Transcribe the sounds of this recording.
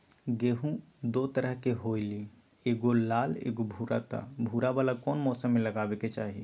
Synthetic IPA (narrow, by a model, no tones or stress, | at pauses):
ɡeɦũ | d̪ot̪əɾəɦkeɦoili | eɡolalḛɡobʱuɾat̪a̰bʱuɾabalakɔnmɔsəmːeləɡabeket͡ʃa̰ɦi